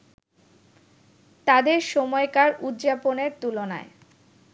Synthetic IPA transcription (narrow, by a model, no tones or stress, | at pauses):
t̪ad̪eɾʃɔmɔekaɾud̪d͡ʑaponeɾt̪ulona̰e